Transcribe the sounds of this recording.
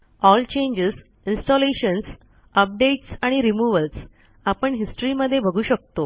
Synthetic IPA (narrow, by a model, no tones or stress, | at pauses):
ɔlt͡ɕẽɲd͡ʑəs | insʈɔleɕəns | əp̚ɖeʈsaɽ̃iɾimuʋəls | apəɳɦisʈəɾiməd̪ʱːjebʱəɡʱuːɕək̚t̪o